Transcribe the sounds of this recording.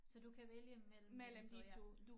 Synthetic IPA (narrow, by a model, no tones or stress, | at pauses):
sɒ̽d̥ukʰæʋeljəmel̰m̩melmt͡sod̥u